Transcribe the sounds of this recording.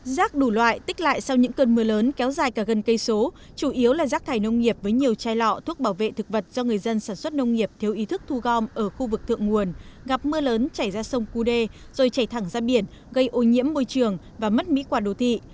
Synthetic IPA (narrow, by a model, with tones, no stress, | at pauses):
zaː˦˥k̚ɗu˧˩lwa̰ː˧˨jt̪ï˦˥k̟̚la̰ː˧˨jsa˧wɲɨ̰˧˥ŋkəː˧nmɨ˧ələː˨˦nkɛ˨˦wzaː˨˩jkaː˧˩ɣə˨˩nkə˧jso˨˦ | t͡ɕu˧˩ʔi˨˦əwlaː˨˩zaː˦˥k̚t̪ʰaː˨˩jnə˧wŋ͡mŋi˨˩əp̚vəː˨˦jɲi˨˩əwt͡ɕaː˧jlɔ̰˧˨t̪ʰu˦˥ək̚ɓaː˧˩wvḛ˧˨t̪ʰɨ˨˩k̚və˨˩t̚zɔ˧ŋɨ˨˩əjzə˧nsaː˧˩nswə˦˥t̚nə˧wŋ͡mŋi˨˩əp̚t̪ʰɛ˧wʔi˨˦t̪ʰɨ˦˥k̚t̪ʰu˧ɣɔ˧mʔəː˧˩xu˧vɨ˨˩k̚t̪ʰɨ̰˧˨əŋːu˨˩ənɣa˨˩p̚mɨ˧ələː˨˦nt͡ɕaː˧˩jzaː˧sə˧wŋ͡mku˧ɗe˧ | z̥o˨˩jt͡ɕaː˧˩jt̪ʰa˧˩ŋzaː˧ɓi˧˩ən | ɣə˧jʔo˨˦ɲḭ˧˥əmːo˧jt͡ɕɨ˨˩əŋ | vaː˨˩mə˦˥t̚mḭ˧˥kwaː˧˩ɗo˨˩t̪ʰḭ˧˨